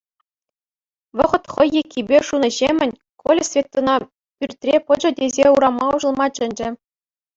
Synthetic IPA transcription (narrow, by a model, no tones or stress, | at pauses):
ʋɤ̆ʁɤ̆t̪χɤ̆jːekʲʰːibʲeʂunɤ̆ʑemʲɘ̆nʲ | kʰolʲɘ̆sʲvʲet̪ːɤ̆nɑ | pʲyrʲt̪ʲrʲepɤ̆d͡ʑɤ̆dʲezʲeuɾɑmɑuʐɤ̆lˠmɑt͡ɕɘ̆nʲd͡ʑɘ̆